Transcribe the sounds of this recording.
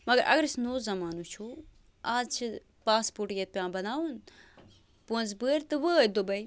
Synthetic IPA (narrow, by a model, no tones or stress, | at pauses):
mɐɡəɾʔɐ̰ɡəɾisnoːzɐmaːnut͡ʃʰu | aːd͡zt͡ʃʰɨ | paːspuʈjet̪̚pʲjãːbɐnaːun | puə̃nzbəːɾt̪ɨʋəəːd̪obɐi